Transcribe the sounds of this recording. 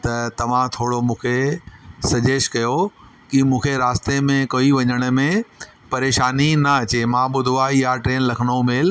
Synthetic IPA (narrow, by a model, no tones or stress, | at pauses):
t̪ɐt̪ɐʋ̤ãt̪ʰoːɽomũːkʰesɐd͡ʑeːʃkɐjo | kimũːkʰeɾaːst̪emẽkoiʋɐɲəɽ̃ʊ̆mẽ | pɐɾeːʃaːninɐɐt͡ɕemãɓʊd̪ʱuaːiɦaʈɾeːnlɐkʰəɽ̃omeːl